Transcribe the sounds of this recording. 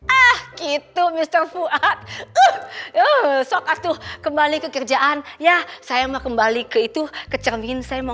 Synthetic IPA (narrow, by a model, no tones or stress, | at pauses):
ʔahkit̪umist̪ərfuʔat̪̚əhəsokat̪ukəmbalikəkərd͡ʒaʔanjasajamakəmbalikəit̪ukət͡ʃərmɪnsajama